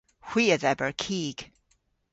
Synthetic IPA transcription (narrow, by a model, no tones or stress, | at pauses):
hw̥iɨzɛbə˞kʰiɡ̥